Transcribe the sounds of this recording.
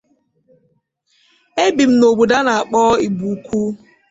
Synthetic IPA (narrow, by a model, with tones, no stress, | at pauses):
e˦bi˨m̩˦no˨bu˨da˦na˨a˨k͡pɔː˦i˨bu˨kʷʰu˦